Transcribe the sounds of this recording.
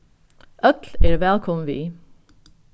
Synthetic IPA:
ʔœkleːɾʋɛːlkʰɔmʋiː

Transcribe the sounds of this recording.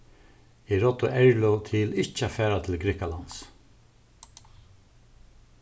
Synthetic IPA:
ɛɾɔt̪ːʊʔɛɹlɔt̪ʰɪlɪht͡ʃːafæːɾat̪ʰɪlɡɾɪkalant̪s

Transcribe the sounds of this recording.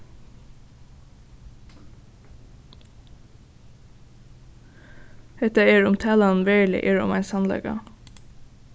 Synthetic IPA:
hɛt̪əeːɹʊmt̪ʰæːlɑn̩ʋɛɹlɪ̰ʔeːɹʊ̰mæɪnsɑnlɛ̰ɡɑ̰

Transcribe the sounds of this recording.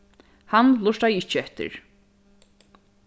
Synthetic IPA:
hanlˠʊʂʈ̪ajɪt͡ʃːɛht̪ɪ̰ɾ

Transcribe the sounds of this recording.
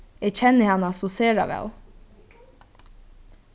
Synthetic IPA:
eːc͡çɛnəhɑnɑsɔseːɹɑ̰ʋɛ̰l

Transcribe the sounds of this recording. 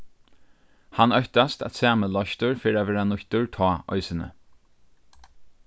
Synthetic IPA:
hanœçt̪ast̪æ̰t̪sæːməlɔçt̪ʊɹfɪɾaʋɛːɹanʊçt̪ʊɹt̪ʰɔːʔɔ̰ʏsənə̰

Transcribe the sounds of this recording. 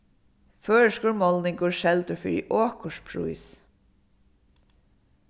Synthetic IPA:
føːɹəʂkʊɹmɔlnɪŋkʊɹʃɛlt̪ʊfɪ̰ɹḭʔɔːkʊʂpʰɹṵjs

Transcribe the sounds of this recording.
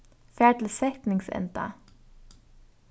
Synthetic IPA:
fæːʈl̩sɛkt̪nɪŋsɛ̰nt̪ɑ̰

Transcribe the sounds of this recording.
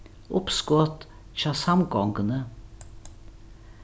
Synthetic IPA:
ʔʊpskɔːt̪ | çɑːsɑmɡɔŋɡənə

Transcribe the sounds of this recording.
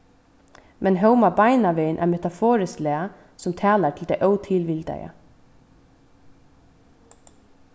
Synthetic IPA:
mʔɛnɦœwmabajnaʋeːənʔæ̰ɾmɛt̪afɔːɾɪslɛːa | sʊmt̪ʰɛːlatʰɪld̪æjʔœwt̪ʰɪlʋɪlt̪a̰jə̰

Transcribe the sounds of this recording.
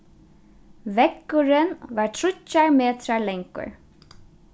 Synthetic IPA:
ʋɛkːʊɹɪnʋaːɹt̪ʰɹʊcːaɹmeːt̪ɾaɹlɛŋkʊ̰ɹ

